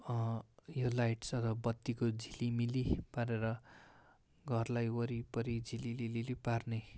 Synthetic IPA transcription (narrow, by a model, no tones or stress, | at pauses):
jolajʈsʌt̪ʰʌbʌt̪ːikod͡zʱilimilipaɾeɾʌ | ɡʱʌrlajwʌɾipʌɾid͡zililililiparne